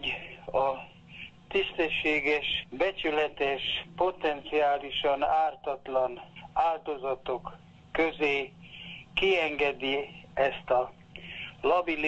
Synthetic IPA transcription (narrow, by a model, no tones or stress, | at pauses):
ɒ | t̪ist̪ɛʃːeːɡɛʃbɛt͡ʃylɛt̪ɛʃpo̞t̪ɛnt̪siaːliʃɒnaːrt̪ɒt̪lɒnaːld̪o̞zɒt̪o̞kː | øzeː | kiɛŋɡɛd̪iɛst̪ɒ | lɒbil